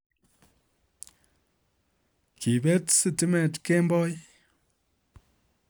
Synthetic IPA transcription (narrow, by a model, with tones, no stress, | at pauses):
kʰi˨bɛ˦tsɨ˦ti˦mɛ˨tke˦mbɔ˦j